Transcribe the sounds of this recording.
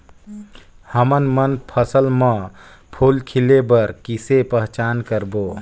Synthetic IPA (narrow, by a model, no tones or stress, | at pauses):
həmənmənpʰəsəlmə̃ | pʰoːlkʰilebəɾkisepəɦt͡ʃaːnkəɾbo